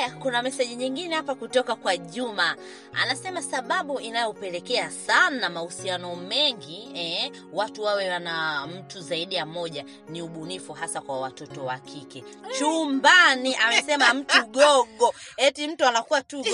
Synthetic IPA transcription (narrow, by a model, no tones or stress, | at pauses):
jakunamɛsɛʄiɲiŋɡinɛhapakutɔkakwaʄuma | a̰nasɛmasaɓaɓuinajɔpɛlɛkɛasanamahusianɔmɛŋɡiɛ | watuwawɛwanam̩tuzaiɗijamɔʄa | niuɓunifuɦasakwawatɔtɔwakʰikɛ | t͡ʃumbaniʔamɛsɛmam̩tuɠɔɠɔɛtim̩tuanakuwatu